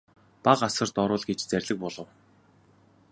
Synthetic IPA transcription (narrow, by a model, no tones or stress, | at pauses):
paqasə̆rt̪ɔɾʊːɮɡet͡ɕt͡særʲɮɘ̆k̚pɔɮɞ̆w